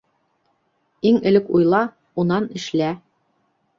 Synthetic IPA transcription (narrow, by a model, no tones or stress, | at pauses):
iŋɘ̆lɘkujlˠɑ | unɑnɘ̆ʃlæ